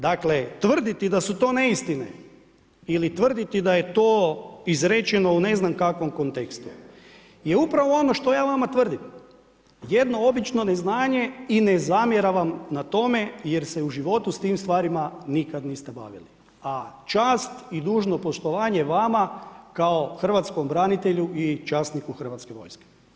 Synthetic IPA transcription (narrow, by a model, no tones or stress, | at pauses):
d̪aklet̪ʋr̩d̪it̪id̪asut̪oːne̞ist̪inḛ | ilit̪ʋr̩d̪it̪id̪ajet̪o̞ːizɾet͡ʃeno̞une̞znamkakʋo̞mko̞nt̪ekst̪u | jeupɾaʋoo̞no̞ʃt̪o̞jaːʋamat̪ʋr̩d̪im | jed̪no̞o̞bit͡ʃno̞neznaːɲe̞inezamjeɾaʋamnat̪o̞me̞jeɾseuʒiʋo̞t̪ust̪iːmst̪ʋaːɾimanikad̪niːst̪e̞ba̰ʋḭli | at͡ʃaːst̪id̪uːʒno̞po̞ʃt̪o̞ʋaːɲeʋamakaoxr̩ʋat̪sko̞mbɾanit̪eʎuʔit͡ʃasnikuxr̩ʋat̪ske̞ʋo̞̰jske̥